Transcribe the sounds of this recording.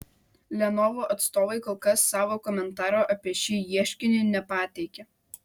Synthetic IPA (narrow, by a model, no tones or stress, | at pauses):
lʲɛnɔʋoːʔɐt̪st̪oːʋɐɪkɔːlˠkɐsːɑːʋoːkɔmʲɛnt̪ɑːɾoːʔɐpʲiɛʃʲiːjiɛʃʲkʲɪnʲɪnʲɛpɑːt̪ʲɛɪkʲe